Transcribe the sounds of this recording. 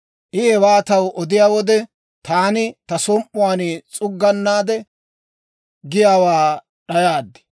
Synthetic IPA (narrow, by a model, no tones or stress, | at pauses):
ʔɪɛwaːt̪ɐwʔɔd̪ɪjaːwɔd̪ɛ | t̪aːnɪt̪ɐsɔmʔʊwaːnɪt͡sʼʊɡːɐnːaːd̪ɛ | ɡɪjaːwaː | ɗɐjaːd̪ːɪ̥